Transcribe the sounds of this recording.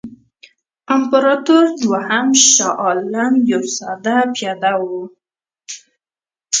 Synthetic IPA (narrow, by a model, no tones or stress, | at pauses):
ampaɾɑt̪oɾd̪wahamʃɑʔɑlamjowsɑd̪apjɑd̪awu